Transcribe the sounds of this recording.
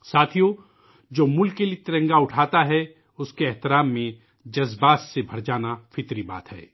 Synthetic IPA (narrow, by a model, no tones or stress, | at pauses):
saːt̪ʰijõ | d͡ʒoːmʊlkːeliet̪ɪɾə̃ŋɡaʊʈʰaːt̪aɦɛ | ʊskeɛɦt̪ɪɾaːmːẽ | d͡ʒɐzbaːsːebʱɐɾd͡ʒaːnafɪt̪ɾiba̰ːt̪ɦɛ̰ː